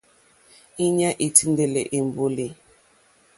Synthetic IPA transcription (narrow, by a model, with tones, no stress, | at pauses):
i˦ɲa˦ʔi˨tʰi˦nde˨le˨ʔi˨m˨bo˦li˨